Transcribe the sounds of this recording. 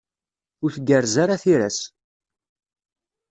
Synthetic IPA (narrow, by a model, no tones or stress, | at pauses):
ʊɾθɡəɾzaɾaθiɾæs